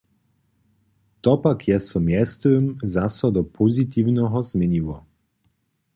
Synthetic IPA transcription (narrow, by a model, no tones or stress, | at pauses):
t̪ɔpakjɛsɔmʲjɛst̪ɛmzasɔd̪ɔpʰɔzit̪iwnɔɦɔzmʲjɛɲiwɔ